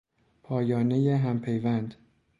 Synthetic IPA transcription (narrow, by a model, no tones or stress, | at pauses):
pʰɒːjɒːnejeɦæmpʰe̞jvænd̪